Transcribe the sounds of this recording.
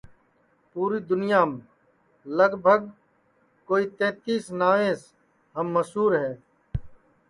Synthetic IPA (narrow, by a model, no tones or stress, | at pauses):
puːɾiːd̪ʊnijaːm | ləɡbʱəɡ | koːiːt̪ẽːt̪iːsnaːʋẽːs | ɦɐmːɐsɦuːɾɦɛː